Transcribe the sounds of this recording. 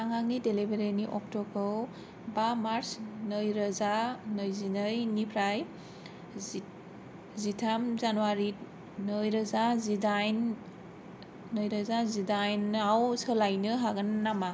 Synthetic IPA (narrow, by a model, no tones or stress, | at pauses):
aŋaŋnidelibeɾeniʔɔk̚tɔbʰɯw | bamaɾsnɯjɾazanɯjzinajnipʰɾaj | zitʰamzanuwaɾi | nɯjɾazazidajn | nɯjɾazazidajnawsɯlajnɯɦaɡɯnːama